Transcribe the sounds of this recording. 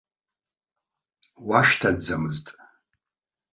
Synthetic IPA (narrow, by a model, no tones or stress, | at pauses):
waʃtʰadd͡zamɨztʼ